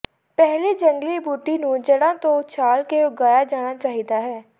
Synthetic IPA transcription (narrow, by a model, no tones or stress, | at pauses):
pɛɦliːd͡ʒəŋɡliːbuːʈiːnũːd͡ʒəɽãːt̪õːt͡ʃʰaːlkeoːɡaːjaːd͡ʒaːɽ̃aːt͡ʃaːɦiːd̪aːɦɛː